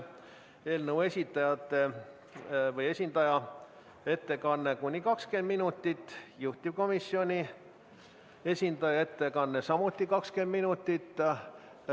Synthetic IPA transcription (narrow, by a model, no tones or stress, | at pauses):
e̞ːlnəwe̞sʲit̪ːˑɑjɑt̪ːˑe̞ | vɤje̞sʲind̪ɑjɑ | e̞t̪ːe̞kɑnːe̞kunʲːikɑkske̞nd̪minut̪ːˑit̪ːˑjuht̪ːˑip̚ko̞misio̞nʲi | e̞sʲind̪̥ɑjɑe̞t̪ːe̞kɑnːe̞sɑmut̪ːˑikɑkske̞nd̪minut̪ːˑit̪ːˑ